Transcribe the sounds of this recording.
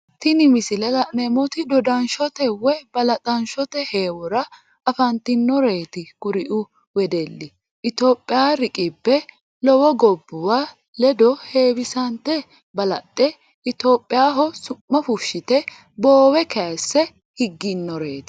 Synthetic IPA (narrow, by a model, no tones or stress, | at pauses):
t̪ɪnɪmɪsɪlɛlɐnɛmɔt̪ɪd̪ɔd̪ɐnʃɔt̪ɛwɛbɐlɐt̪ʼɐnʃɔt̪ɛheːwɔɾɐ | ɐfɐnt̪ɪnːɔɾe̞ːt̪ɪkʊɾɪʔʊ | wɛd̪ɛlːɪ | ʔɪt̪o̞ːpʼːɪjaɾɪkʼɪbːɛ | lɔwɔɡɔbːʊwa | lɛd̪ɔhe̞ːwɪsɐnt̪ːɛ | bɐlɐt̪ʼːɛ | ɪt̪o̞ːpʼːɪjaːɦɔsʊmːɐfʊʃːɪt̪ɛ | bo̞ːwɛkɐsːɛ | hɪɡːɪnːɔɾeːt̪ɪ̥